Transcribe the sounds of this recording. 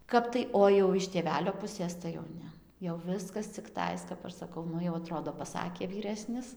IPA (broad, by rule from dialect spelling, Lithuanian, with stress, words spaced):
ˈkɐp tɐɪ oː jɛʊ ɪʃ tʲeːˈʋʲæːlʲoː ˈpʊsʲeːs tɐɪ jɛʊ ˈnʲɛ jɛʊ ˈʋʲɪskɐs t͡sʲɪkˈtɐɪs kɐp ˈɐʃ sɐˈkɐʊ ˈnʊ jɛʊ ɐˈtroːdoː pɐˈsɑːkʲeː ʋʲiːˈrʲæːsʲnʲɪs